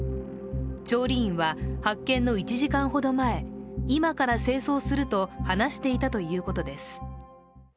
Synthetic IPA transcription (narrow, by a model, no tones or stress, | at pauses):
t͡ɕo̞ːɾʲiĩɰ̃βahakːẽ̞nːo̞it͡ɕiʑikãɰ̃ɦo̞d̪o̞mae̞imakaɾase̞ːso̞ːsɨɾɯ̟t̪o̞hanaɕi̥t̪e̞it̪at̪o̞jɯ̟ːko̞t̪o̞d̪e̞sɨ̥